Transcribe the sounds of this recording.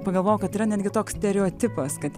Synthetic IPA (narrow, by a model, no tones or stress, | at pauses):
pɐɡɐlˠʋoːʊkɐt̪ɪɾɐnʲɛːd̪ʲɡʲɪt̪oːkssʲt̪ʲɛɾʲɛoːt̪ʲɪpɐskɐt̪